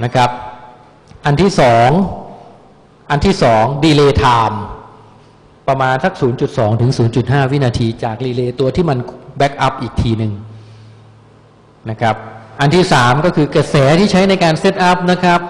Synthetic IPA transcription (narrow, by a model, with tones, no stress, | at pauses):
na˦˥kʰɾa˦˥p̚ | ʔa˧nt̪ʰiː˥˩sɔː˩˦ŋ | ʔa˧nt̪ʰiː˥˩sɔː˩˦ŋdiː˧leː˧t̪ʰaː˧m | pɾa˧maː˧nsa˦˥k̚suː˩˦nt͡ɕu˨˩t̪̚sɔː˩˦ŋt̪ʰɯ˩˦ŋsuː˩˦nt͡ɕu˨˩t̪̚ɦaː˥˩wi˦˥naː˧t̪ʰiː˧t͡ɕaː˨˩k̚diː˧leː˧t̪u˧ɐt̪ʰiː˥˩ma˧nbɛ˦˥k̚ʔa˦˥p̚ʔiː˨˩k̚t̪ʰiː˧nɯ˨˩ŋ | na˦˥kʰɾa˦˥p̚ʔa˧nt̪ʰiː˥˩saː˩˦mkɔː˥˩kʰɯː˧kɾa˧sɛː˩˦t̪ʰiː˥˩t͡ɕʰa˦˥jna˧jkaː˧nse˦˥t̪̚ʔa˦˥p̚na˦˥kʰɾa˦˥p̚